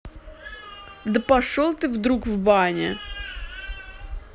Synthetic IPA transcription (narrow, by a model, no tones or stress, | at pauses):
d̪əpɐʂolˠt̪ɨvd̪ɾukvbanʲɪ